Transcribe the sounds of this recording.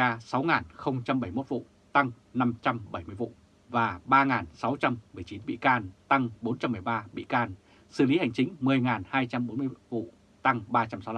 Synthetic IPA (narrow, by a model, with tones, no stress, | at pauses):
aː˧sa˨˦wŋaː˨˩nxə˧wŋ͡mt͡ɕa˧mɓə˧˩jmo˦˥t̚vṵ˧˨ | t̪a˧ŋ | na˧mt͡ɕa˧mɓə˧˩jmɨ˧əjvṵ˧˨ | vaː˨˩ɓaː˧ŋaː˨˩nsa˨˦wt͡ɕa˧mːɨ˨˩əjt͡ɕi˨˦nɓḭ˧˨kaː˧nt̪a˧ŋɓo˨˦nt͡ɕa˧mː˨˩əjɓaː˧ɓḭ˧˨kaː˧n | sɨ˧˩li˨˦ha˨˩jŋ̟t͡ɕï˨˦ŋ̟mɨ˨˩əjŋaː˨˩nhaː˧jt͡ɕa˧mɓo˨˦nm˧əvṵ˧˨ | t̪a˧ŋɓaː˧t͡ɕa˧msa˨˦wla˧˨